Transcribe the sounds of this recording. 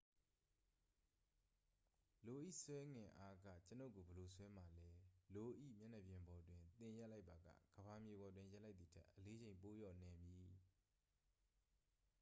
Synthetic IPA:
lo˨ʔḭ˦˨swɛ˦ŋɪ̃˨ʔa˦ɡä̰˦˨t͡ɕəno̰˦˨ɡo˨bə˨lo˨sʰwɛ˦ma˨lɛ˦lo˨ʔḭ˦˨mja˦˨nɛ˨bjɪ̃˨mbɔ˨twɪ̃˨nt̪ɪ̃˨ja˦ʔla˦ɪpːa˨ɡa̰˦˨ɡ̥əba˨mje˨bɔ˨dwɪ̃˦ja˦la˦ɪt̪ði˨tʰɛ̰˦ʔːəle˦d͡ʑẽ˨ɪ̃mpo˦jɔ˦˨nɛ̃˨mji˨

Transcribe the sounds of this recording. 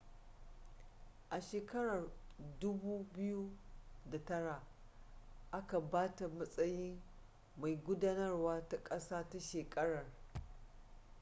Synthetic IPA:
ʔa˨ʃeː˨kɐ˦ɽɐ˨rdʊ˦buː˦bɪ˦ju˦da˨tɐ˦ɽa˨ | ʔa˦ka˨baː˦ta˨mɐ˦sʼɐ˦jɪ˦ŋ | ma˨jɡʷʊ˦daː˦nɐ˦rwaː˦ta˦kʼɐ˦saː˦ta˦ʃeː˨kʼɐ˦ɽɐ˨r

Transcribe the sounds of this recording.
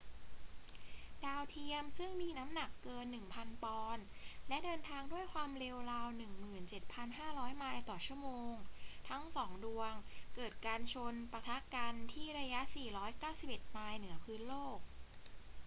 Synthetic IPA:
daː˧wt̪ʰi˧əmsɯ˥˩ŋmiː˧na˦˥mna˨˩kːɤː˧nːɯ˨˩ŋpʰa˧npɔː˧nlɛ˦˥dɤː˧nt̪ʰaː˧ŋdu˥˩əjkʰwaː˧mɾe˧wɾaː˧wnɯ˨˩ŋmɯː˨˩nt͡ɕe˨˩t̪̚pʰa˧nɦaː˥˩ɾɔː˦˥jmaː˧jt̪ɔː˨˩t͡ɕʰu˥˩əmoː˧ŋt̪ʰa˦˥ŋsɔː˩˦ŋdu˧əŋkɤː˨˩t̪̚kaː˧nt͡ɕʰo˧npa˧t̪ʰa˦˥ka˧nt̪ʰiː˥˩ɾa˧ja˦˥ʔsiː˨˩ɾɔː˦˥jkaː˥˩wsi˨˩pʔe˨˩t̪̚maː˧jnɯ˩˦ɐpʰɯː˦˥nloː˥˩k̚

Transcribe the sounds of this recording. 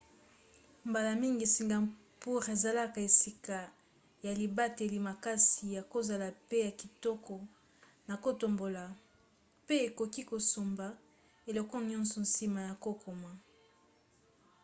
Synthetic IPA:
mba˨la˨mi˦ŋɡi˨si˨ŋɡa˨ | pu˦ʁe˨za˨la˦ka˨e˨si˨ka˨ | ja˨li˨ba˦te˨li˨ma˨ka˦si˨ja˨ko˦za˨la˨pe˦ja˨ki˨tɔ˦kɔ˨ | na˨ko˦to˨mbo˨la˨ | pe˦e˨ko˨ki˦ko˨so˨mba˨ | e˨lɔ˨kɔ˦ɲɔ̃˦nsɔ˨nsi˦ma˨ja˨ko˦kʰo˨ma˨

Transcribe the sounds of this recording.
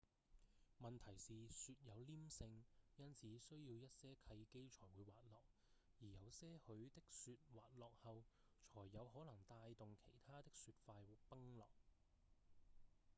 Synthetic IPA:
mɐ˨nt̪ʰɐ˨˩jsiː˨syː˧t̚jɐ˨˧wliː˥msɪ˧ŋjɐ˥nt͡sʰiː˨˧sɵ˥ɥjiː˧wjɐ˥t̚sɛː˥kʰɐ˧jke˥jt͡ʃʰɔː˨˩jwuː˨˧jwaː˨t̚lɔː˨˩k̚ | jiː˨˩jɐ˨˧wsɛː˥hɵ˨˧˥ɥt̪ɪ˥k̚syː˧t̚waː˨t̚lɔː˨k̚hɐ˨˧w | t͡ʃʰɔː˨˩jːɐ˨˧wɦɔː˨˥lɐ˨˩ŋt̪aː˧jt̪ʊ˨ŋkʰe˨˩jt̪ʰaː˥t̪ɪ˥k̚syː˧t̚faː˧jwʊ˨pɐ˥ŋlɔ̰ː˨k̚

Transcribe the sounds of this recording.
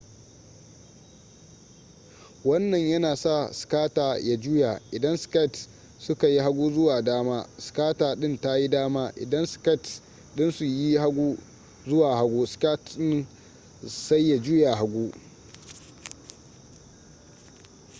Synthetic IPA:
wɐ˦nːɐ˨ɲjɐ˦naː˨sa˦˨skaː˦taː˨ja˦d͡ʒuː˦ja˨ʔɪ˨dɐ˦nskɐ˦˨t | sʊ˦ka˨ji˦ɦa˦ɡʷuː˦zʊ˦waː˨daː˦maː˦skaː˦taː˨ɗɪ˦nta˦ji˦daː˦maː˦ʔɪ̰˨dɐ˦nskɐ˦˨t | ɗɪ˦nsu˨ji˦ha˦ɡʷuː˦ | zʊ˦waː˨ha˦ɡʷuː˦ska˦tɗɪ˦n | sa˦jːa˨d͡ʒu˦ja˨ɦa˦ɡʷuː˦

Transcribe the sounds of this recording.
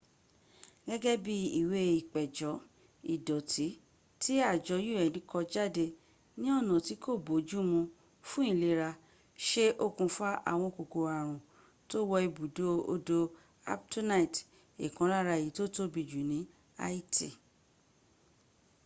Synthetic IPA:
ɡɛ˦ɡɛ˦bi˦i˨we˧i˨k͡pɛ˨d͡ʒɔ˨˦ | i˨dɔ˨tʰi˨˦ | ti˦a˦˨d͡ʒɔ˨˧˦ju˦˨ɛ˨nĩ˨˦kʰɔ˧d͡ʒa˦˨de˧ | nĩ˦ɔ˦˨nã˨ti˨˦kʰo˦˨bo˨˦d͡ʒu˦mũ˧ | fũ˦ĩ˦˨le˧ɾa˧ | ʃe˦ʔo˦˨kũ˧fa˦a̰˦˨w̃ɔ̃˧ko˨ɡo˧a˨ɾ̃ũ˨ | to˦wɔ˧i˧bu˨do˦o̰˧do˧ | a̰˦p̚tu˦na˦i˨t | i˨kã˨˦la˦ɾa˧˨ji˨˦to˦to˦bi˧d͡ʒu˨nĩ˨˦ | a̰˦i˦ti˦˨

